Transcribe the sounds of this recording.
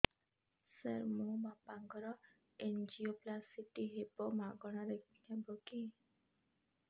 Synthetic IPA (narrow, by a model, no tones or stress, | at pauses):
səɾmomapaŋɡɔɾɔ | end͡ʒioplasiʈiɦebɔmaɡɔɽ̃aɾekʰinɛbɔki